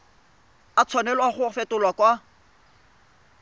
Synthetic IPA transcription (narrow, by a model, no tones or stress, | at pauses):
at͡sʰwanɛlaχʊfɛtʼʊlwakʼwa